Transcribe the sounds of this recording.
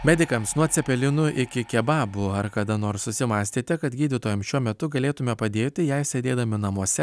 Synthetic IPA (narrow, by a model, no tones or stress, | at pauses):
mʲɛd̪ʲɪkɐmsnuɔt̪ʲsʲɛpʲɛlʲɪnʊʔɪkʲɪkʲɛbɑːbʊɐɾkɐd̪ɐnoːɾssʊsʲɪmɑːsʲt̪ʲiːt̪ʲɛkɐt̪ɡʲiːd̪ʲɪt̪oːjɛmʃʲuɔmʲɛt̪ʊɡɐlʲeːt̪ʊmʲɛpɐd̪ʲeːt̪ʲɪjɛɪsʲeːd̪ʲeːd̪ɐmʲɪnɐmuɔsʲɛ